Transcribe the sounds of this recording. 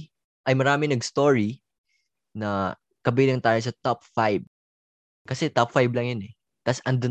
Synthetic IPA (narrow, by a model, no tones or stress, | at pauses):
ʔɐjmɐɾaːmɪnɐɡst̪oɹi | nɐ | kɐbilɐŋt̪aːjɐsɐt̪ap̚fajb̚ | kɐsɛt̪ɐpfajblɐŋjʊnɛ | t̪ɐsɐnd̪o